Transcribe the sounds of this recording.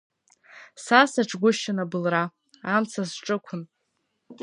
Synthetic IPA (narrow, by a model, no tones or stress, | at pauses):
sasaʈ͡ʂʰɡʷʊʃanabɨlra | amt͡sʰasʈ͡ʂʼɨkʷʰʊn